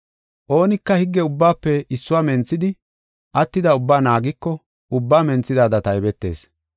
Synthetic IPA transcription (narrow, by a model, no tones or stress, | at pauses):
ʔo̞ːnɪkːɐhɪɡːɛʊbːaːpːɛɪsːʊwaːmɛnt͡sːɪd̪ɪ | ʔɐt̪ːɪd̪ɐʊbːaːnaːɡɪkːɔ | ʊbːaːmɛnt͡sːɪd̪aːd̪ɐt̪ɐjbɛt̪ːe̞̰ːs